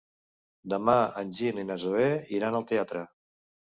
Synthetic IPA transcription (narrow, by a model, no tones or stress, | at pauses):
d̪əmaənʲʒininazoβeiɾanəlˠt̪eat̪ɾə